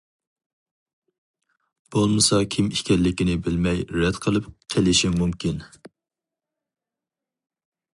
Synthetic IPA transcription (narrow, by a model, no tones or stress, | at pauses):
b̥olˠmɨsɑkʲʰimiʃkʲʰɛllːɪkʲinɪbɪlmɛjɾɛd̪̥qʰəlˠɨpqʰelɪʃiŋmumkʲin